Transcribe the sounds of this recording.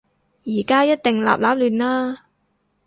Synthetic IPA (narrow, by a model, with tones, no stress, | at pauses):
jiː˨˩kaː˥jɐ˥t̚t̪ɪ˨ŋla̰ː˨p̚laː˨˥p̚lyː˨nlaː˥